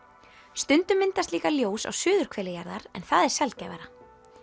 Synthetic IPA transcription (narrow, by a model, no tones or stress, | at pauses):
st̪ʏnt̪ʏmːɪnt̪ast̪iːkaljoːwsa̰wsʏːðʏɾ̥kʰv̥ɛːlɪjaɾðaɾɛ̰nθaðɛɾ̥sɛlcɛvaɾa